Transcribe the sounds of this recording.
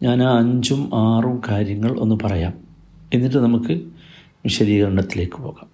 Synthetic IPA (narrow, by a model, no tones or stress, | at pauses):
ɲaːnɐɲd͡ʑumaːrumkaːɾjɐŋːɐɭʔo̞̰nːupɐrɐja̰ːm | enːiʈ̬ːɨnɐmukːɨ | ʋiɕɐðiːɣɐɾɐɳɐt̪ːile̞ːkːɨ̥po̞ːɣaːm